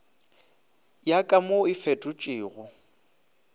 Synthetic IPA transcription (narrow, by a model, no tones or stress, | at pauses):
jakʼamoɪfɛtʼʊt͡ʃʼɪːɣʊ